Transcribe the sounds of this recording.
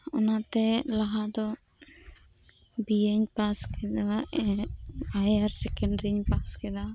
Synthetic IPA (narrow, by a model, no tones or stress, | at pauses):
ɔnat̪ɛlaɦad̪ɔ | bieɲpaskɛd̪a | ajaɾsɛkɛɳɖɾiɲpaskɛd̪a